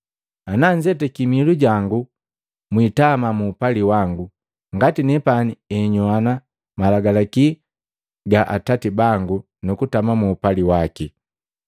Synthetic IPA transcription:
anaɲd͡ʒɛtɛkimiluɟaŋɡu | mwitamamuːpaliwaŋɡu | ŋɡatinɛpaniɛɲɔana | malaɡalaki | ɡaʔa̰tatibaŋɡu | nukutamamuːpaliwaki

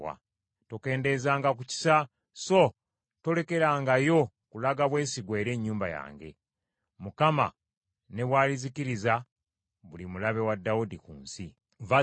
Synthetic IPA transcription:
wa̰ | toke̞ːnde̞zaːŋɡakuci̥sa | so̞ | to̞le̞ke̞ɾaːŋɡajo̞ | kulaɡaβwe̞ːsiɡwe̞ːɾe̞ːɲːuːmba̰ja̰ːŋɡe̞̰ | mukama̰ | ne̞βwaːliziciɾiza | βulimulaβe̞wadːaudikṵːnsi | va

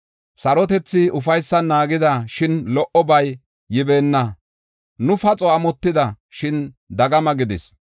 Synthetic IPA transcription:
sɐɾɔt̪ɛt͡sːɪʊfɐjsːɐnaːɡɪd̪ɐʃɪnlɔʔɔbɐjː | ɪbe̞ːnːɐ | nʊfɐt͡sʼɔɐmɔt̪ːɪd̪ɐ | ʃɪn | d̪ɐɡɐmɐɡɪd̪ɪs

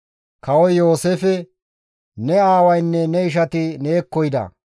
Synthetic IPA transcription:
kɐwɔjjo̞ːsefɛ | nɛaːwɐjnːɛnɛɪʃ̬ɐt̪ɪneːkːɔjd̪ɐ̰

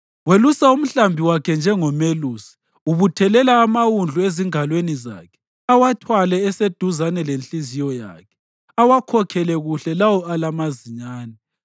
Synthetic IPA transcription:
welusaum̩ɬambʱiwakʰɛnd͡ʒʱɛŋɔmeluːsi̥ | uβutʰɛlɛlaːmawund͡ɮʱueziŋalweniza̰ːkʰɛ̥ | awatʰwalɛːsed̥ʱuzanɛlent͡ɬʼizijɔja̰ːkʰɛ̥ | awakʰɔkʰɛlɛɣuɬɛlawɔalamaziɲaːnɛ

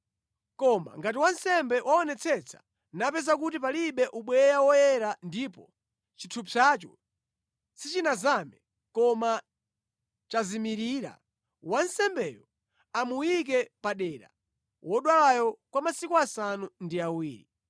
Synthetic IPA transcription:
kɔma̰ŋɡat̬iwansɛmbɛwʔaɔnɛt͡sʰɛt͡sʰḁ̰ | napɛzakutipaliɓɛʔuɓwɛjawɔjɛɾandipɔ | t͡ʃitʰupʰat͡ʃɔ̰ | sit͡ʃinazamɛ | kɔma | t͡ʃazimiɾiːɾa̰ | wansɛmbɛjɔ | amuwik̬ɛpaɗɛːɾa̰ | wʔɔɗwalajɔkwamasikuasanundiawiːɾḭ

